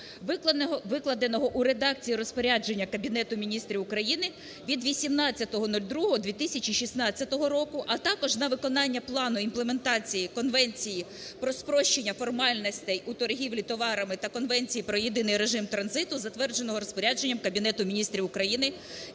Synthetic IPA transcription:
ʋɪklˠɐd̪enɔɦɔʔuɾe̞d̪ɑk̚t͡sʲijiɾɔspɔɾʲad͡ʒe̞nʲːɐkɐbʲinɛt̪ʊmʲinʲist̪ɾʲiʊkɾɐjinɪ | ʋʲid̪ʋʲisʲimnɑt͡sʲːɐt̪ɔɦɔnulʲd̪ɾuɦɔɦɔd̪ʋʲit̪ɪsʲɐt͡ʃiʃʲisnɑt͡sʲːɐt̪ɔɦɔɾɔkʊʔɐt̪ɑkɔʒnɐʋɪkɔnɑnʲːɐplˠɑnʊimplˠeme̞nt̪ɑt͡sʲijikɔnʋɛnʲt͡sʲiji | pɾɔspɾɔʃt͡ʃenʲːɐfɔrmɑlʲnɔsʲt̪ɛjut̪ɔrɦʲiʋlʲit̪ɔʋɑɾɐmɪt̪ɐkɔnʋɛnʲt͡sʲijipɾɔjid̪ɪnɪjɾe̞ʒɪmt̪ɾɐnzɪt̪ʊzɐt̪ʋɛrd͡ʒenɔɦɔɾɔspɔɾʲad͡ʒenʲːɐmkɐbʲinɛt̪ʊmʲinʲist̪ɾʲiʊkɾɐjinɪ

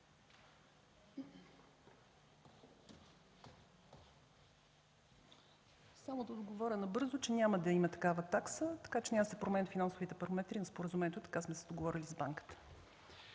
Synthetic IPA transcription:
samod̪ɐod̪ɡovɔɾʲənɐbɤɾzot͡ʃɛnʲaməd̪ɐimɐt̪ɐ̥kavət̪aksət̪ɐ̥kat͡ʃɛnʲaməsɛpɾomɛnfinansovit̪ɛpɐɾomɛt̪ɾinɐspoɾəzumɛnʲɛt̪ot̪ɐ̥kasmɛsɛd̪oɡovɔɾʲilʲizbaŋkə̥t̪ə̥

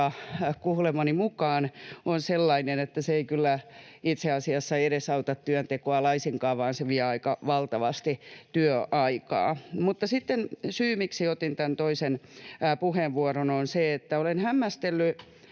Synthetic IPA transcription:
ɑkuhlemɑnimukɑːnonselːɑinenet̪ːæseeikylːæit̪seɑsiɑsːɑeɾesɑut̪ɑt̪tyønt̪ekoɑlɑisiŋkɑːʋɑːnseʋiɛɑikɑʋɑlt̪ɑʋɑst̪it̪yøʔɑikɑ̰ːmut̪ːɑsit̪ːensyːmiksiot̪int̪ænt̪oisenpuheʋʋuorononseet̪ːæolenhæmːæst̪elːy

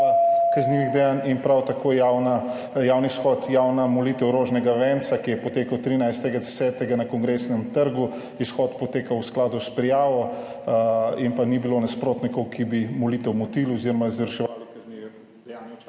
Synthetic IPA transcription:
kɐzniʋiɣd̪ɛjaːninpɾawt̪akʰoːjawna | jawnisxɔt̪jawnamɔliːt̪ɛwɾoʒnɛɡaʋɛːnt̪sakijɛpɔt̪eːkɐwt̪ɾiːnajst̪ɛɡad̪ɛsɛːt̪ɛɡanɐkɔŋɡɾesnɛmt̪əɾɡu | isxɔt̪pɔt̪eːkɐwsklaːd̪uspɾijaːʋɔ | impanibilonaspɾoːt̪nikɔwkʰibimɔlit̪ɛwmɔt̪ilɔziɾɔmazʋəɾʃɛʋalikɐzniʋɛ | d̪ɛjaːnj

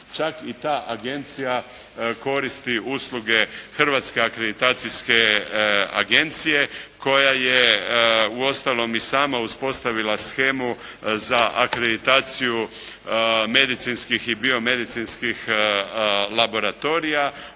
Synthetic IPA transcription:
t͡ʃakit̪aːʔaɡe̞nt̪sija | ko̞ɾist̪iuːslˠuɡe̞xr̩ʋaːt̪skeakɾed̪it̪aːt̪sijske̞ | a̰ɡe̞nt̪sije̞ko̞jaje | uo̞st̪alo̞misaːmauspo̞st̪aʋilasxeːmu | zaʔakɾed̪it̪aːt̪siju | me̞d̪it̪sinskixibio̞me̞d̪it̪sinskix | labo̞ɾat̪o̞ːɾija

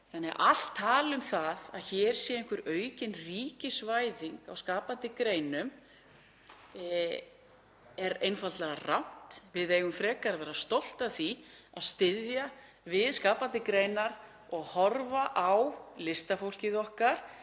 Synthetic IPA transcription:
θanːɛa̰ʔal̥t̪ʰːaːlʏmθaðaðçɛːɾ̥sjɛɪŋ̥kvʏɾœːɥcɪnriːcɪsvajðiŋkawskaːpant̪ɪkɾeːjnʏm | ɛɾejnfalt̪lɛɣarawn̥t̪vɪðejɣʏmfɾɛːkaɾvɛːɾast̪owl̥t̪aθiaðst̪ɪðja | vɪðskaːpant̪ɪkɾejnaɾ | ɔɣhɔɾvaʔawlɪst̪afowl̥cɪðɔhkaɾ̥

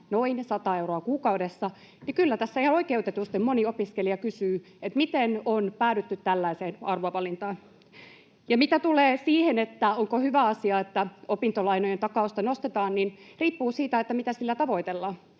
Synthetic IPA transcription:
noinsɑt̪ɑeuroɑkuːkɑuwdesːɑ | nikylːæt̪æsːæihɑnoikeut̪et̪ust̪ːemoniopiskeliɑkysyː | et̪mit̪enonpæːɾyt̪ːyt̪tælːæiseːnɑrʋoɑʋɑlint̪ɑːn | jɑmit̪æt̪uleːsiːhenet̪ːæoŋkohyʋæɑsiɑet̪ːæopint̪olɑinojent̪ɑkɑost̪ɑnost̪et̪ɑːnninriːpːuːsiːt̪æet̪ːæmit̪æsilːæt̪ɑʋo̞it̪elːɑː

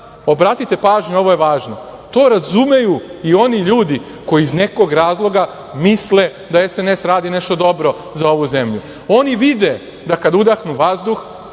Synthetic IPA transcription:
obɾat̪it̪e̞paːʒɲuo̞ʋo̞je̞ʋaːʒno̞ | t̪o̞ːɾazume̞juio̞niʎuːd̪i | ko̞iːzne̞ko̞ɡɾaːzlˠo̞ɡa | misle̞ | d̪ae̞sene̞sɾaːd̪ine̞ʃt̪o̞d̪o̞bɾo̞ | zao̞ʋuze̞mʎu | o̞niʋid̪e̞ | d̪akad̪ud̪axnuʋazd̪ux

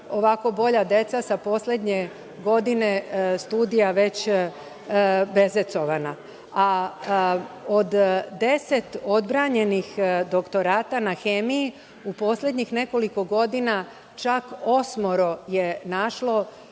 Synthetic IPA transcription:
o̞ʋako̞bo̞ʎad̪e̞t̪sasapo̞slʲe̞d̪ɲe̞ | ɡo̞d̪ine̞st̪uːd̪ijaʋe̞t͡ɕ | be̞zet̪so̞ʋana | a | od̪d̪e̞se̞t̪o̞d̪bɾaɲe̞nixd̪o̞kt̪o̞ɾaːt̪anaxemiji | upo̞slʲe̞d̪ɲixne̞ko̞liko̞ɡo̞d̪ina | t͡ʃako̞smo̞ɾo̞jenaʃlˠo̞

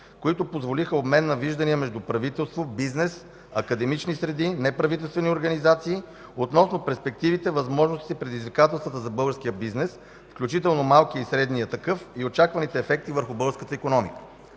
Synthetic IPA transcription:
koit̪opozvolixəobmɛnːɐviʒd̪ɐniəmɛʒd̪upɾɐvit̪ɛlˠst̪vobiznɛs | ɐkɐd̪ɛmit͡ʃnisɾɛd̪inɛpɾɐvit̪ɛlˠst̪vɛnioɾɡɐnizat̪siː | ot̪nɔsnopɛɾspɛk̚t̪ivit̪ɛvɐzmɔʒnost̪i̥t̪ɛpɾɛd̪izvikat̪ɛlˠst̪vət̪əzɐbɤlˠɡəɾskijəbiznɛs | fklʲut͡ʃit̪ɛlˠnomalˠkiisɾɛd̪nijət̪ɐkɤfiot͡ʃakvɐnit̪ɛːfɛk̚t̪ivəɾxubɤlˠɡəskət̪əikonɔmikə̥

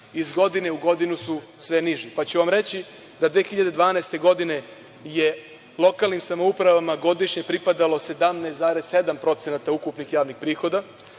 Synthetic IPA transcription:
izɡo̞d̪ine̞uɡo̞d̪inusu | sʋe̞niʒipat͡ɕuʋamɾe̞t͡ɕi | d̪ad̪ʋeːxiʎad̪e̞d̪ʋaːnast̪e̞ɡo̞d̪ine̞ | je | lˠo̞kalnimsamoupɾaʋamaɡo̞d̪iʃɲepɾipad̪alo̞se̞d̪amneszaːɾesse̞d̪ampɾo̞t̪senat̪aukupnixjaːʋnixpɾiːxo̞d̪a

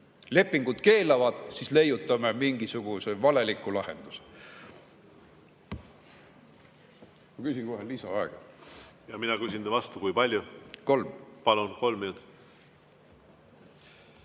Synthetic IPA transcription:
le̞pːˑiŋɡ̥ud̪̥ke̞ːlɑvɑd̪̥sisle̞jut̪ːˑɑmemiŋɡisuɡ̥usevɑle̞likːulɑhe̞̰nd̪̥use | mɑkysʲiŋkoɦelisɑɑeɡ̥ɑjɑminɑkysʲind̪evɑst̪ukujpɑlʲjuko̞lmpɑlunko̞lmːinut̪

